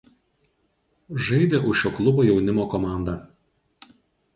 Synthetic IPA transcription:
ʒɐɪd̪ʲeːʔʊʃjʲoːklˠʊboːjɛʊnʲɪmoːkɔmɑˑnd̪ɑˑ

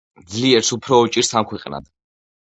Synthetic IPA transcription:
d̪zliɛɾsupʰɾɔːt͡ʃʼiɾsamkʰwɛqʼna̰d̪

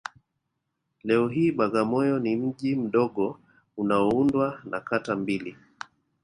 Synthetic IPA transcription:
lɛɔɦiːɓaɠamɔjɔnim̩ʄim̩ɗɔɠɔ | unaɔundwanakatambili

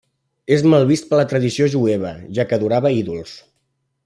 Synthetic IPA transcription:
ezmalˠβist̪̚pələt̪ɾəðisioʒueβ̞əʒakəðuɾaβəiðulˠs

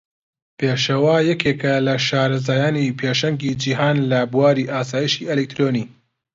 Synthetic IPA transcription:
pʰeːʃɐwajɐkʰeːkɐlɐʃaːɾɐzaːjaːnipʰeʃɐŋɡid͡ʒiːɦaːnlɐbuwaːɾiːʔaːsaːjiʃiːʔelek̚t̪ɾoniː

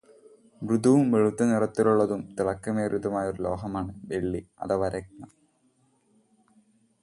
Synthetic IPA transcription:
mrud̪uʋumʋeɻut̪ːɐnirɐt̪ːiluɭːɐðumt̪iɭɐkːɐmeːɾud̪umaːjɐoɾulo̞ːɦɐmaːɳɨʋeɭːiɐ̰ðɐʋɐɾɐk̚nɐ

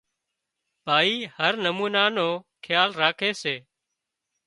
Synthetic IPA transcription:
bʱaːiːhəɾnəmuːnaːnoːkʰɪjaːlɾaːkʰeːseː

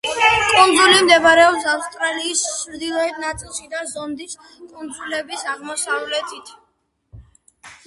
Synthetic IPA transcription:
kʼund̪zulimd̪ɛbaɾɛɔpsafst̪ʼɾaliːst͡ʃʰɾd̪ilˠɔɛd̪̚nat̪sʼilˠʃid̪azɔmd̪is | kʼund̪zulɛbisaʁmɔsavlɛt̪ʰʼit̪ʰ

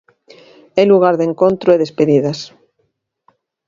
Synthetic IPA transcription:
eluɣ̞aɾðeŋkont̪ɾoeðespeðiðas

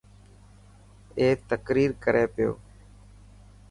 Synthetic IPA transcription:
eːt̪əkɾiːɾkəɾʔeːpɪjo̰ː

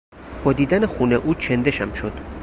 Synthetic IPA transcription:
b̥ɒːd̪iːd̪ænexuneʔuːt͡ʃʰend̪e̞ʃæmʃod̪̥

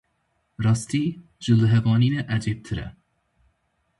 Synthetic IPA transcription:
ɾɑːst̪ʰiː | d͡ʒɨlɨɦɛvɑːninɛʔæd͡ʒep̚t̪ʰɨɾɛ̰

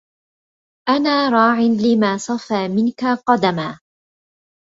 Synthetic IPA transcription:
ʔanaːɾˤɑːʕɪnlɪmaːsˤɑfaːmɪnkaqɑd̪amaː

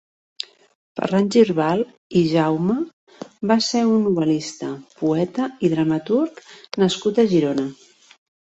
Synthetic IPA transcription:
fə̰ranʲd͡ʒirβalˠ | iʒawmə | baseunːuβəlist̪əpuɛt̪əiðɾəmət̪uɾknəskut̪əʒiɾonə

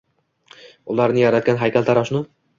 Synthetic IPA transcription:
ʊlˠaɾnɪjaɾat̪̚ɡʲanɦajkʲalʲˠt̪ʰaɾɒʃnʊ

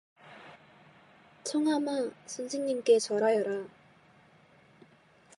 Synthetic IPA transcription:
t͡ɕʰʌŋɦamasʰunsʰiŋɲimk͈e̞t͡ɕʌɾajʌɾa

